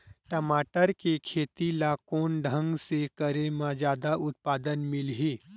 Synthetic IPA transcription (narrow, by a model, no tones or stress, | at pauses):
ʈəmaːʈəɾkekʰeːt̪ilakoːnɖʱə̃ŋɡsekəɾemãd͡ʒjaːd̪aʔʊt̪̚paːd̪ənmɪlɦiː